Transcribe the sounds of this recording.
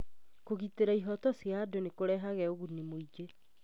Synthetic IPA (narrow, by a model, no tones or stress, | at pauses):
koɣiteɾaiɦɔtɔsjadonekoɾɛɦaɣɛoɣunimoid͡ʒe